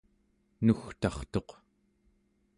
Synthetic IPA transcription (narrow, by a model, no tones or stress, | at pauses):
nuxt̪ɑχt̪o̞q